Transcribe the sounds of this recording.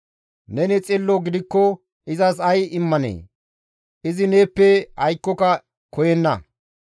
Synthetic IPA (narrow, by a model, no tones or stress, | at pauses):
nɛnɪt͡sʼɪlːoɡɪd̪ɪkːɔ | ʔɪzɐsɐjɪmːɐnḛː | ʔɪzɪne̞ːpːɛhɐjkːɔkɐ | kɔjɛnːɐ̰